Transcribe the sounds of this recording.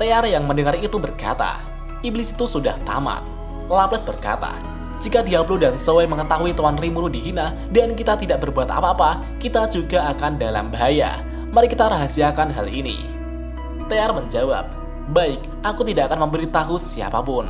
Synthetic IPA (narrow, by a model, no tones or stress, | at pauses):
t̪earjaŋməndəŋaɾit̪ubərka̰t̪a̰ | iblisi̥t̪usuda̰ht̪a̰ma̰t̪̚ | laplɛsbərka̰t̪a̰ | d͡ʒikadiabludansowajməŋət̪aɦuit̪uanrimuɾudiɦina | dankit̪at̪idaʔ̚bərbuat̪a̰paːpa | kit̪ad͡ʒuɡaakandala̰mbaɦaja̰ | maɾikit̪aɾaɦasiakanɦa̰linḭ | t̪earməɲd͡ʒawa̰p̚ | baɪk̚ | ʔakut̪idaʔakanməmbəɾit̪aɦusia̰pa̰pʊn